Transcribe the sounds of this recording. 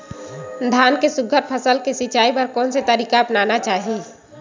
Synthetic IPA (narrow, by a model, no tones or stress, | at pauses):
d̪ʱjaːnkesʊɡʱəɾt̪̚pʰəsəlkesɪt͡ʃaːipɐɾkɔːnset̪əɾiːkaɐpnaːnat͡ʃaːɦie